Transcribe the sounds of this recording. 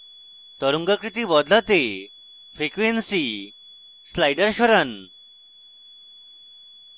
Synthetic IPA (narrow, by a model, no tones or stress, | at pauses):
t̪ɔɾuŋɡakɾit̪iːbɔd̪lat̪e | fɾikʋensi | slajɖəɾɕɔɾan